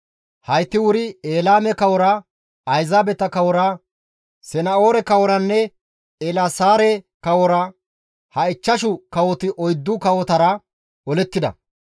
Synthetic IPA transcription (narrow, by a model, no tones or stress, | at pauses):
hɐjt̪ːɪwʊɾɪeːlaːmɛkɐwɔɾɐ | ɐjzaːbɛt̪ɐkɐwɔɾɐ | sɛnɐo̞ːɾɛkɐwɔɾɐnːɛ | ɛlasaːɾɛkɐwɔɾɐ | hɐɪt͡ʃːɐʃʊkɐwɔt̪ɪʔɔjd̪ːʊkɐwɔt̪ɐɾɐ | ɔlɛt̪ːɪd̪ɐ̰